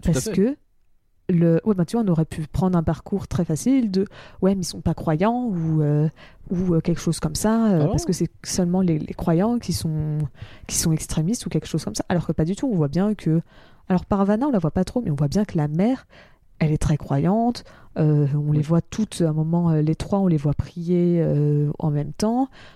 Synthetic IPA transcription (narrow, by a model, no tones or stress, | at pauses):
paʁsəkə | ləwʔɛbɛ̃t̪yvwaɔ̃nɔʁɛpʰypχɑ̃d̪ʁɛ̃paʁkʰuʁt̪χɛfasild̪əwɛmɛilsɔ̃pakχwajɑ̃uøuøkʲɛlkə̥ʃoz̥kɔmsaøpaʁsə̥kəsɛsœlmɑ̃lelʔḛkχwajɑ̃kʲisɔ̃kʲi̥sɔ̃ɛkst̪χemist̪ukʲɛlkə̥ʃoz̥kɔmsaʔalɔʁkəpad̪yt̪uɔ̃vwabjɛ̃kʰə | alɔʁpaʁvanɛ̃ɔ̃lavwapat̪χomɛɔ̃vwabjɛ̃kəlamɛʁ | ɛlɛt̪χɛkχwajɑ̃t̪øɔ̃levwat̪ʰut̪ɛ̃mɔmɑ̃ølet̪χwaɔ̃levwapχijeøɑ̰̃mɛmt̪ɑ̃